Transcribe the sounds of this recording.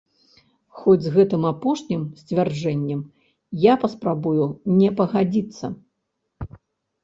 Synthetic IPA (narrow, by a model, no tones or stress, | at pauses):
xɔd͡zʲzɣɛt̪ɨmapɔʂnʲimsʲt͡sʲvʲard͡ʐɛnʲːɛm | japɐspɾabujunʲɛpɐɣad͡zʲit̪sːɐ̰